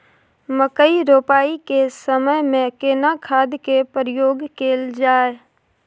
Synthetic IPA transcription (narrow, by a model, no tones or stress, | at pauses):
məkəiɾoːpaːikesəməjmẽkeːnakʰaːd̪kepɾɪjoːɡkeːld͡ʒaːe